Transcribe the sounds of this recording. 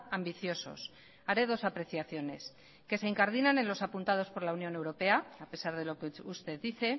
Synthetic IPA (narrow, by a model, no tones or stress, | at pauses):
ambiθjo̞so̞̰s | aɾe̞ðo̞sapɾe̞θjaθjo̞ne̞̰s | ke̞se̞iŋkaɾðinanẽ̞nlo̞sapunt̪að̞o̞spo̞ɾlaunjo̞ne̞wɾo̞pe̞aape̞saɾð̞e̞lo̞keust̪e̞ðiθe̞